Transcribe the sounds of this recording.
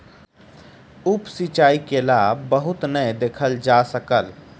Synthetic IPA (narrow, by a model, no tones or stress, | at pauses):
ʊpsit͡ʃaːikelaːbbəɦʊt̪nəjd̪eːkʰəld͡ʒasəkəl